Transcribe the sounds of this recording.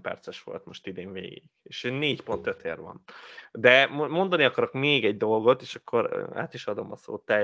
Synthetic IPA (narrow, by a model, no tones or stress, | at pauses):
pɛ̰rt̪sɛʃʋo̞̰lt̪mo̞ʃt̪id̪eːɱvḛːɡḭɡ̥eːʃneːcpo̞nt̪øt̪ḛːrvɒ̰nd̪ɛmmo̞nd̪ɒniɒkɒɾo̞kmeːɡɛɟd̪o̞lɡo̞t̪eːʃɒkʰːo̞ɾa̰ːt̪iʃɒd̪o̞mɒso̰ːt̪ːɛ